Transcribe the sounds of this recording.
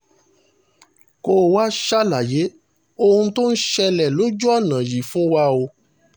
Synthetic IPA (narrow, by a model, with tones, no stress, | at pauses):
ko˧wa˦ʃa˦la˨je˨˦ | o˦hũ˧˦to˦n̩˦ʃɛ˧lɛ˨lo˨˦d͡ʒu˦ɔ˦˨nã˨ji˨fũ˦wa˧o˧